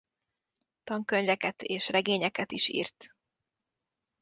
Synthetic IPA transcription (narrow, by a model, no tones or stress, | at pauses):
t̪ɒŋkø̞ɲvɛkɛt̪eːʃrɛɡeːɲɛkɛt̪iʃḭːrt̪